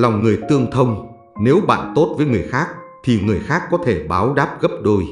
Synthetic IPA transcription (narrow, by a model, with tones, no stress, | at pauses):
la˨˩wŋ͡mŋɨ˨˩əjt̪ɨ˧əŋt̪ʰə˧wŋ͡m | ne˨˦wɓa̰ː˧˨nt̪o˦˥t̚vəː˨˦jŋɨ˨˩əjxaː˦˥k̚t̪ʰi˨˩ŋɨ˨˩əjxaː˦˥kːɔ˨˦t̪ʰe˧˩ɓaː˨˦wɗaː˦˥p̚ɣə˦˥p̚ɗo˧j